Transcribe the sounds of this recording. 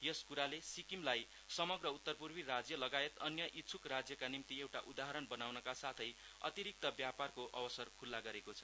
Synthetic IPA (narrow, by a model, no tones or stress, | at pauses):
jʌskuɾalesikimlaj | sʌmʌɡrʌut̪ːʌrpurbirad͡zjʌlʌɡaet̪ʌnjʌʔitːt͡sʰukrad͡zjʌkanimt̪iewʈaʔud̪aɦʌɾʌnbʌnawnʌkasat̪ʰʌj | ʌ̰t̪iɾik̚t̪ʌbjaparkoʔʌbʌsʌrkʰulːaɡʌɾekot͡sʰʌ̥